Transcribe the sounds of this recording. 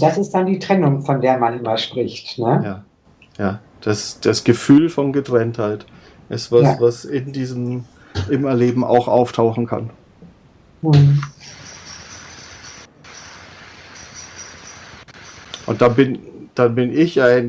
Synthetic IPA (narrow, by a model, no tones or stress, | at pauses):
d̥asɪst̚d̥andiːtʁ̥ɛnʊŋfɔndeːɐmanʔɪmɐʃpʁ̥ɪçtnəjaː | jaː | d̥asd̥asɡ̥əfyːlfɔnɡətʁ̥ɛnthaɪt | ʔɪstv̥asvasɪndiːzəm̩ | ʔɪmɛɐleːbm̩ʔa̰ʊxʔa̰ʊftʰaʊxn̩kʰa̰n | m̩ | ʔʊ̰ntd̥anbɪnd̥anbɪnɪçaɪn